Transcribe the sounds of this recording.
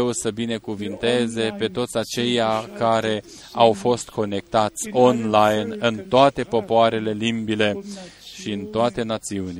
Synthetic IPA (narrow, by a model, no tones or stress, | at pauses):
wusəbine̞kuvint̪e̞ze̞pe̞t̪o̞t̪sʲat͡ʃe̞jakaɾe̞ | awfo̞st̪kʰo̞ne̞k̚t̪at̪sʲo̞nlajnɨnt̪oat̪e̞po̞poaɾe̞le̞limbile̞ʃiɨnt̪oat̪e̞nat̪siuni